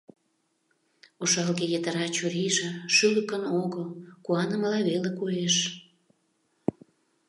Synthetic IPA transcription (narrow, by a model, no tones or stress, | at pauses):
oʃɑlɣejət̪əɾɑt͡ɕuɾiʒĕʃyləkənoɣəlkuɑnə̆məlɑβelekueʃ